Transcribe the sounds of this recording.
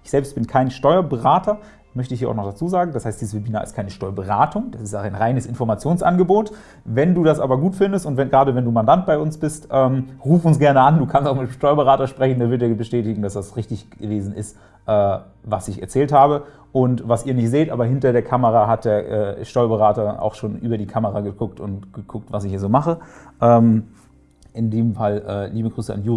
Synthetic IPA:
ʔɪçz̥ɛlpstb̥ɪnkʰaɪnʃtɔʏɐbəʁaːtɐ | mœçtəɪçhiːɐa̰ʊnɔxd̥at͡suːzaːɡŋ̩dashaɪstd̥iːzəsvebiːnaːɪ̰st̚kʰaɪnəʃtɔʏɐbəʁaːtʰʊŋd̥asɪstaaɪnʁaɪnəsɪnfɔɐmat͡sjoːnsʔa̰nɡəboːt | vɛnduːdasʔaːbɐɡuːtfɪndəstʊntvɛnɡʁaːdəvɛnduːmandant̚b̥aɪʊnsb̥ɪstʔɛːmʁuːfʊnsɡ̥ɛɐnəʔanduːkʰanstaʊxmɪtmʃtɔʏɐbəʁaːtɐʃpʁ̥ɛçn̩deːɐvɪɐt̚deːɐbəʃtɛːtɪɡŋ̩d̥asd̥asʁɪçtɪçɡəveːzn̩ɪ̰st | ʔɛː | vasɪçɛ̰ɐt͡sɛːlthaːbə | ʔʊntvasiːɐnɪçtz̥eːtʔaːbɐɦɪntɐdeːɐkʰaməʁaɦat̚d̥eːɐʔɛ̰ːʃtɔʏɐbəʁaːtɐʔa̰ʊxʃoːnʔyːbɐdiːkʰaməʁaɡəɡʊk̚tʊntɡ̥əkʰʊk̚tv̥asɪçhiːɐzoːmaχəʔɛːm | ʔɪndiːmfalʔɛ̰ːliːbəɡʁyːsəa̰njuː

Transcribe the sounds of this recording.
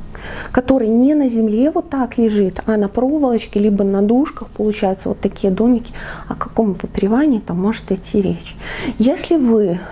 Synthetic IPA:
kɐt̪o̞ɾɨjnʲenəzʲɪmlʲe̞vo̞t̪ːaklʲɪʐɨt̪ɐnɐpɾo̞vəlˠət͡ɕkʲɪlʲibənɐd̪uʂkəxpəlˠʊt͡ɕæjʊt̪səvot̪ːɐkʲijəd̪o̞mʲɪkʲɪɐkɐko̞mvɨpɾʲɪvanʲɪːt̪amːo̞ʐɨ̥t̪atʲʰːiɾʲet͡ɕjesʲlʲɪvɨ

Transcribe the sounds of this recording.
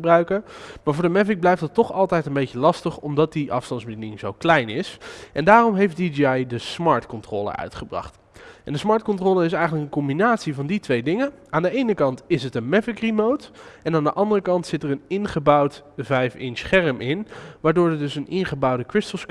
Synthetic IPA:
brœɥkəmaːɹvʊːɹdəmɛfɪɡ̚blɛjfdɑtːɔχɑlˠtɛjtənbejcəlɑstəχɔmdɑt̚diʔɑ̰fstɑndzbədinɪŋzowklɛjnɪsʔɛndaːrɔmɦejfdidiɑjdəsmɑːɹtkɔntro̰ːlə̰œ̰ɥtχəbrɑ̰χt | ʔɛndəsmɑːɹt̚kɔ̃ntroːləɪsɛjχənləkənkɔmbinaːtsivɑnditʋejdɪŋəʔaːndəejnəkɑntɪsətənmɛfɪkrimowtɛnaːndəʔɑndərəkɑntsɪtərənɪnχəbɑwtvɛjfɪnsχɛrəmʔɪnʋaːɹdʊːɹədɵsənʔɪnχəbɑwdəkɹɪstəl̩ˠs

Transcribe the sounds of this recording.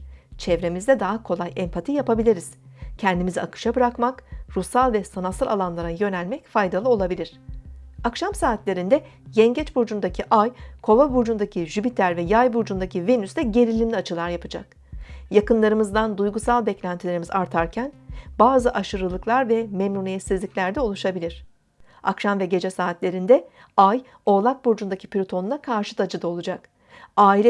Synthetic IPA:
t͡ʃʰɛvɾe̞mizd̪ɛd̪aɦakʰo̞lˠajɛmpʰat̪ʰijapabilʲiɾiz̥cʰɛnd̪imiziakʰɯ̥ʃabɯɾakmakɾusalˠvɛsanasɯɾalˠanlˠaɾajø̞nælʲmɛcfajd̪alˠɯo̞lˠabilʲiɾ̥akʃamsaːt̪lʲe̞ɾind̪ɛ | jɛɲɟɛt͡ʃbuɾd͡ʒund̪acʰiʔajkʰo̞vabuɾd͡ʒund̪acʰiʒypit̪ʰæɾvɛjajbuɾd͡ʒund̪acʰivenysd̪ɛɟe̞ɾilʲimlʲiat͡ʃʰɯlˠaɾjapʰɯd͡ʒa̰k | jakɯnlˠaɾɯmɯzd̪and̪ujɡusalˠbɛclʲænt̪ʰilʲe̞ɾimizaɾt̪ʰaɾcʰænbaːzɯʔaʃɯɾɯlˠɯklˠaɾvɛmɛmnunijɛt̪sizlʲicʲlʲæɾd̪ɛolˠuʃabilʲiɾ̥ | a̰kʃamvɛɟe̞d͡ʒɛsaːt̪lʲe̞ɾind̪ɛ | aj | o̞lˠak̪̚buɾd͡ʒund̪acʰi̥pʰlʲot̪ʰonunakʰaɾʃɯ̥t̪ʰad͡ʒɯd̪aolˠud͡ʒak | aːilʲɛ

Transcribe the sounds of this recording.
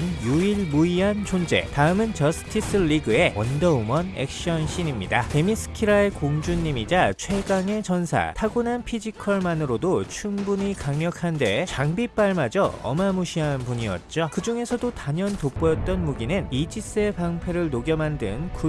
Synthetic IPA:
njuiɭmuiɦant͡ɕond͡ʑe̞̰taɯmɯnt͡ɕʌsʰɯ̥kʰis͈ɯʎːiɡɯe̞wʌndʌumʌnḛk̚ɕ͈iʌnɕʰinimɲidate̞mis͈ɯ̥kʰiɾae̞koŋd͡ʑuɲːimid͡ʑat͡ɕʰwe̞ɡaŋe̞t͡ɕʌnsʰa̰tʰaɡunanpʰid͡ʑikʰʌɭmanɯɾodot͡ɕʰumbuɲikaŋɲʌkʰande̞t͡ɕaŋbip͈aɭmad͡ʑʌʌ̰mamuɕʰiɦanpuɲiʌ̰t̚t͡ɕ͈okɯd͡ʑuŋe̞sʰʌdotaɲʌntop͈ʌjʌt̚t͈ʌnmuɡinɯnid͡ʑis͈ɯepaŋpʰeɾɯɭnoɡjʌmandɯ̰nku

